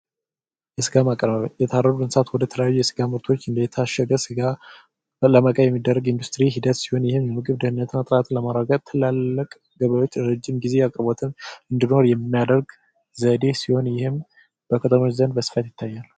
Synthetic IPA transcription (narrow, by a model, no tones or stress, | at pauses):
jɛsɨɡamakʼəɾβəβjɛt̪ʰarːəɾuɡɨnsat̪wɔd̪ət̪ʰələjajːujɛsɨɡaməɾt̪ʰo̞t͡ʃːɨnd̪əjɛt̪ʰaʃəɡəsɨɡa | ləməkʼəjɛmːid̪ːərːəɡind̪ust̪ʼɾiɦid̪ət̪si̥ho̞njɪhɨmjɛmɨɡʼɨβd̪ɨhɨnːət̪ʰɨnːat̪ʼɾat̪ʰləmaɾaɡət̪t̪ʰɨlalːəkʼ | ɡəβajwo̞t͡ʃːɾɨd͡ʒːɪmɡize̞akʼəɾbot̪ʰɨmɨnd̪ɨno̞ɾjɛmːijad̪əɾɡ | zəd̪e̞siho̞njɪhɨm | b̥əkʰət̪ʰəmo̞t͡ʃzənbəsɨ̥fət̪jɪt̪ʰːajːal